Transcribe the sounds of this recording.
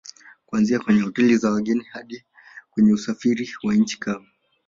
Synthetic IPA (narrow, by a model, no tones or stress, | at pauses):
kuanziakwɛɲɛhɔtɛlizawaɠɛnihaɗi | kwɛɲɛusafiɾiwaɲ̩t͡ʃi̥kama